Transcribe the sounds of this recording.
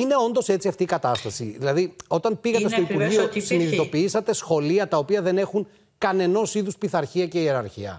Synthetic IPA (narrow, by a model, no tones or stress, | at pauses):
ine̞o̞nd̪o̞se̞t͡siɐft̪iːkɐt̪ɐst̪ɐsḭðilɐðio̞t̪ɐnpiɣɐt̪est̪o̞ipuɾʝio̞siniðit̪opiisɐt̪e̞sxo̞liɐt̪ɐopiɐðe̞ne̞xuŋ | kɐne̞no̞siðuspiθɐɾçiɐce̞ie̞ɾɐɾçḭɐ̰